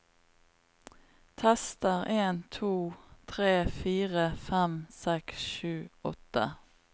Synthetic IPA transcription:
t̪ʰɛst̪əʁeːnt̪ʰuːt̪ʰʁeːfiːʁəfɛmsɛksʃʉːɔt̪ə

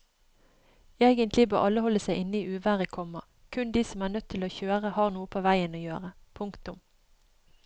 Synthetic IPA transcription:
eːɡənt̪lɪbø̰ːʔɑləhɔlːəsæɪʔɪnːəiːʉːʋæːʁəkʰɔmɑ | kʰʉnd̪iːsɔmæːʁnœt̪ʰːɪloːçøːʁəhɑːʁnuːəpʰoːʋæɪənoːjøːʁə | pʰʊŋkt̪ʊm

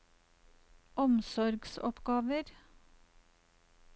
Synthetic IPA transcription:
ɔmsɔɾɡsɔ̰pɡɑːʋəɾ

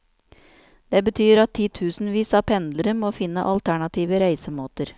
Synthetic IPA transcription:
d̪̥eːbət̪ʰyːɾɑt̪ʰːiːt̪ʰʉːsn̩ʋiːsɑːpʰɛnd̪ləɾəmoːfɪnːə̰ʔɑlt̪ʰæɳɑt̪ʰiːʋəɾæɪsəmoːt̪əɾ

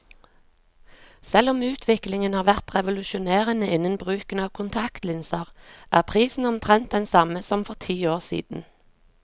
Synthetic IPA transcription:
sɛlɔmʉːt̪ʰʋɪklɪŋənhɑːʁʋæʁt̪ʁɛʋʊlʉʃʊneːʁənəɪnənbʁʉːkənɑːʋkʰʊnt̪ʰɑkt̪lɪnsəʁʔæːʁpʰʁiːsn̩ɔmt̪ʰʁɛnt̪̚d̪ɛnsɑməsɔmfɔʁt̪ʰiːoːʁsḭːd̪n̩

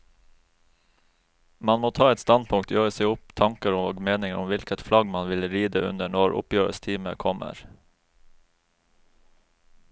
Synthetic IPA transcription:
mɑnmoːt̪ʰɑːɛt̪st̪ɑnpʰʊŋt̪jøːɹəsɛʊpt̪ʰɑŋkəɾʊoːɡmeːnɪŋəɾʔʊmʋɪlkət̪flɑɡmɑnʋɪlɾiːd̪əʔʉ̰nəɳɔɹʔʊ̰pjøːɹə̰st̪ʰiːmə̰kʰɔmə̰ɾ

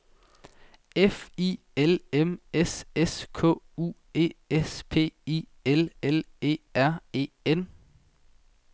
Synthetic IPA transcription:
efḭː | elemeseskʰɔ̰̽ːṵː | e̝̰ːespʰe̝̰ːḭː | elele̝̰ːæɐ̰e̝̰ːen

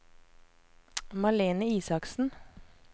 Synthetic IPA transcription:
mɑleːnəiːsɑksn̩

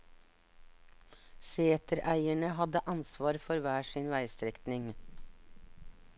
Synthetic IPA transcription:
seːt̪əɾʔæɪæɳəhɑd̪əʔɑnsʋɑːɾfɔɾʋæːʃinʋæɪst̪ɾɛkt̪nɪŋ

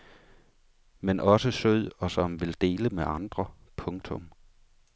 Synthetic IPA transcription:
menʔɒ̽səsøð̞̰ˠɒ̽sɒ̽mʋe̝ld̥e̝̰ːləmeʔɑ̈nd̥ʁɐpʰɔ̽ŋt͡sʰɔ̽m

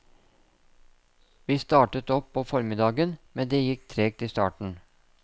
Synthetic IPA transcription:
ʋiːst̪ɑːʈət̪ɔpʰːoːfɔɾmɪd̪ɑːɡənmɛnd̪eːjɪkt̪ʰɾeːɡ̚t̪iːst̪ɑ̰ːʈɳ̩

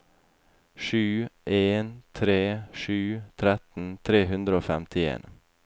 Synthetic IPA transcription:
ʃʉːʔeːnt̪ʰɾeːʃʉːt̪ʰɾɛt̪n̩t̪ʰɾeːɦʉnd̪ɾəoːfɛmt̪ʰɪḛːn

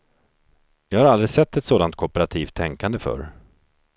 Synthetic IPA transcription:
jɑːɡhaɾald̪ɾɪsɛt̪ːɛt̪soːd̪ant̪̚kʰɔpəɾat̪ʰiːft̪ʰːɛŋkand̪əfœ̰ɾ

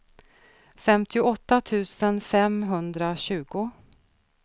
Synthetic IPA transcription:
fɛmt̪ʰɪʊɔt̪ːat̪ʰʉ̟ːsənfɛmɦɵnd̪ɾaɕʉ̟ːɡʊ

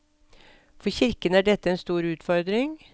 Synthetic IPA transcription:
fɔçɪɾkənæɖɛt̪ːəɛnst̪uːɾʉːt̪fɔɾd̪ɾɪŋ

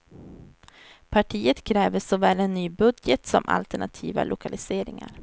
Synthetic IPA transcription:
pʰaʈʰiːət̪kʰɾɛːvəʂɔvɛːlɛnːyːbɵd̪jət̪sɔmʔa̰lt̪əɳat̪ʰiːva̰lʔʊkʰalɪseːɾɪŋa̰ɾ

